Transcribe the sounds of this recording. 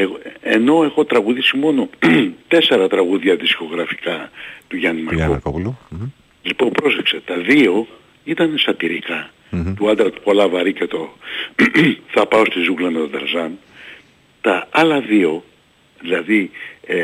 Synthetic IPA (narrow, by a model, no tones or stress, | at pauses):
ɣoeno̞e̞xo̞t̪ɾɐɣuðisimo̞no̞t̪e̞se̞ɾɐt̪ɾɐɣuðʝɐðisko̞ɣɾɐfi̥kɐt̪uʝɐnimɐɾko | lipompɾosekset̪ɐðio̞ | it̪ɐnesɐt̪iɾikɐ | t̪uɐld̪ɾɐt̪u̥po̞lɐvɐɾicet̪o | θɐpɐo̞st̪izuɣlɐme̞t̪od̪ɐ̰ɾzɐn | t̪ɐɐlɐðio̞ | ðilɐði